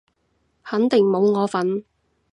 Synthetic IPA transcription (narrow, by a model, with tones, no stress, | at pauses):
hɐ˨˥nt̪ɪ˨˩ŋmo˨˧wŋɔː˨˧fɐ˨˥n